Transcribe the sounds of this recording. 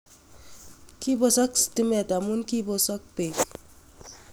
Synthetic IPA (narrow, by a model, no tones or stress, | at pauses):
kibɔsɔkstimetamunkibɔsɔk̚pek